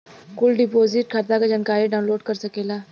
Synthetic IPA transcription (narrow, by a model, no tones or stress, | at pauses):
kʊlɖɪpoːzɪʈkʰaɾt̪akad͡ʒaːnkaːɾiɖaːʊnloːɖkɐɾsɐkeːlaː